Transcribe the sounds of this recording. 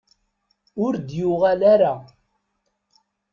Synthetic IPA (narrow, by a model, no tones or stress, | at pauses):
ʊɾd̪jʊʁalaɾa